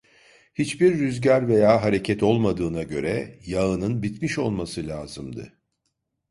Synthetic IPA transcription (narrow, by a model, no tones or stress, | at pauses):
hit͡ʃbiɾːyzɟaɾve̞jaːɦaɾe̞cʰɛt̪ʰo̞lˠmad̪ɯːnaɟø̞ɾɛjaɯnɯnbit̪miʃo̞lˠmasɯlʲaːzɯmd̪ɯ̰